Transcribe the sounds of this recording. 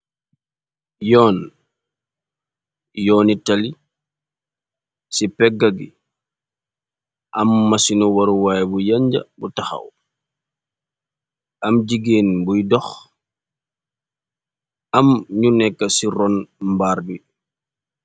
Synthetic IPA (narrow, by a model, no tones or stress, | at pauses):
jɔːn | jɔːnitali | sipɛɡːaɡḭ | ʔɐmːɐsinɔwaɾuwajbujaɲɟɐ̰butaxɐ̰w | ɐmɟiɡeːnbujdɔx | amɲunɛkːɐsiɾɔnmbaɾbi